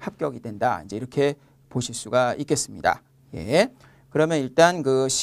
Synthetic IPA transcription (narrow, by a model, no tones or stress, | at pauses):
hap̚k͈jʌɡidwe̞nda̰ḭnd͡ʑe̞iɾʌkʰe̞ | poɕʰiɭs͈uɡaik͈e̞s͈ɯmɲḭda̰ | je̞̰ | kɯɾʌmjʌniɭt͈ankɯɕʰ